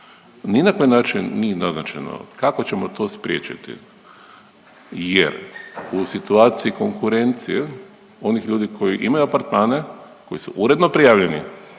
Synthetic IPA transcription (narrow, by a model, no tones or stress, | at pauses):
ninako̞jinaːt͡ʃinːienaznat͡ʃa̰jno̰kako̞t͡ɕe̞mot̪o̞ːspɾʲjeːt͡ʃḭt̪ḭ | jḛɾusit̪uaːt̪siiko̞ŋkuɾe̞nt̪sije | o̞nixʎuːd̪ikʰo̞jiʔimajuapaɾt̪maːne̞ | ko̞jisuʔuɾe̞d̪nopɾijaːʋʎe̞nḭ